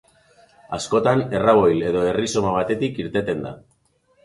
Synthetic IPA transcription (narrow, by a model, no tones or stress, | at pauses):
asko̞t̪ane̞raβ̞o̞jle̞ðo̞e̞riso̞maβat̪e̞t̪ikiɾt̪e̞t̪e̞nd̪a̰